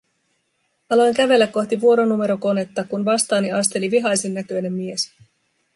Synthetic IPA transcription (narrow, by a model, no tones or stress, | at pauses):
ɑlojŋkæʋe̞lːækːo̞xt̪iʋuo̞ɾonume̞ɾo̞ko̞ne̞t̪ːɑkunʋɑst̪ɑːniɑst̪e̞liʋiɦɑjsenːækø̞jne̞mːie̞s